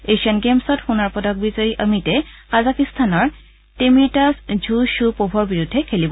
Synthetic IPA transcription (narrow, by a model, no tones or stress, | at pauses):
eʃɔnɡemsɔtxunaɹpɔdɔk̚bizaɹiʔəmitɛkazakist̪ʰanɔɹ | temiɹtasd͡ʒʱuʃupobʱɔɹbiɹudʱːɛkʰelibɔ